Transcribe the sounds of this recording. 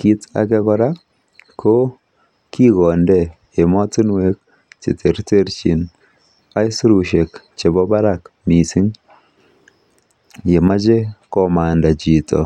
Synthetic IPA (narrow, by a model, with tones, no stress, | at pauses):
ki˦ta̰˨kɛ˦kɔ˦ɾa˦ | kʰo˦ | ki˦ɣɔ˨ndɛ˦˨ | je˨mɔ˦ti˦nwe˦k̚ | t͡ʃḛ˨te˨ɾte˦ɾt͡ʃi˨n | a˦jsu˦ɾu˨ʃe˨k | t͡ʃe˨bɔ˦ba˦ɾa˨kmi˨si˦ŋ | je˨ma˦t͡ʃe˦kɔ˨ma˨nda˨t͡ʃi˨tɔ̰˨